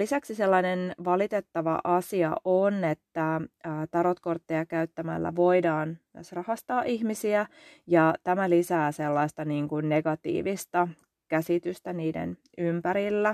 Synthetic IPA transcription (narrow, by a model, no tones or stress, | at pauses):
lisæksiselːɑnenʋɑlit̪et̪ːɑʋɑ̰ʔɑsiɑ̰ʔonet̪ːæːt̪ɑɾot̪kort̪ːejɑkæyt̪ːæmæ̰lːæ̰ʋoidɑːnt̪æsrɑhɑst̪ɑːʔihmisiæjɑt̪æmælisæːselːɑist̪ɑniːŋkunneɡ̥ɑt̪ḭːʋist̪ɑ | kæsit̪yst̪æniːdḛn | ympæɾilːæ